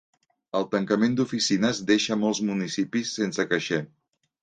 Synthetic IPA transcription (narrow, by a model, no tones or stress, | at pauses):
əlˠt̪əŋkəmend̪ufisinəzd̪eʃəmɔlˠzmunisipisːensəkəʃɛ